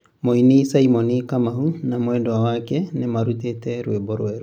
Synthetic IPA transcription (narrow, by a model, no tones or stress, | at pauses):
moinisaimɔnikamahunamwɛdɔwawakɛnemaɾutetɛɾwebɔɾwɛɾ